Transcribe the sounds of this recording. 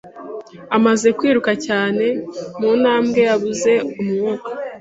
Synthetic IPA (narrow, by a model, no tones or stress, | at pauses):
amaze̞kwiːɾukacaːne̞muːnaːmɡe̞jaβuze̞umumoːkḁ